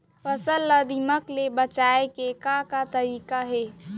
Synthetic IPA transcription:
pəsəlːəd̪iməklebət͡ʃaekekakat̪əɾiːkaɦe

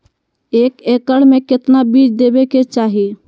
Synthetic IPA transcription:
eːkeːkəɽmẽkɪt̪nabiːd͡ʒd̪eːbeket͡ʃaːɦi

